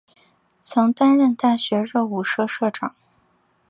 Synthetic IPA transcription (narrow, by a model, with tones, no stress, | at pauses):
t͡sʰʊ˧˥ŋt̪a˥nɻə˥˧nt̪a˥˩ɕɥɛ˧˥ɻɤ˥˧u˥˩ʂɤ˥ʂɤ˥˩ʈ͡ʂɑ˨˩˦ŋ